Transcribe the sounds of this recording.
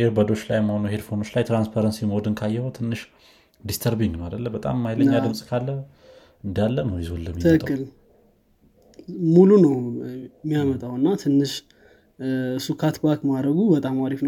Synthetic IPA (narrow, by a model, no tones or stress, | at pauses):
heɾbəd̪o̞t͡ʃːlajmːəhonuhe̞dfo̞no̞t͡ʃːlajt̪ɾanspʰaɾənsiməod̪ɨnkʰajːɛhot̪ʰɨnːɨʃ | d̪ist̪ʰəɾbiŋɡnəwadəlːəmbət̪ʼa̰mːajləɲːadɨmsʼkʰalːə | ɨnd̪alːənəwjɪzolːəmːit̪ʰɨɨk̪ʼkːɨl | mulunəwmːijamət̪ʼawɨnːat̪ʰɨnːɨʃ | sukʰat̪bakmaɾəɡubət̪ʼamaɾifnəw